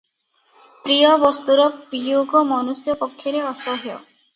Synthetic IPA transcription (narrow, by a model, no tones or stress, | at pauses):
pɾijɔbɔst̪uɾɔbijoɡɔmɔnusjɔpɔkʰːjɔɾeɔst̪ɔɦejɔ̰